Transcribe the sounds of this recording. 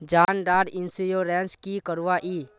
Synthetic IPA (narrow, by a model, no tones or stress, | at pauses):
d͡ʒaːnɖaːɖɪnsijoɾɛ̃ːnskikəɾʋaʔiː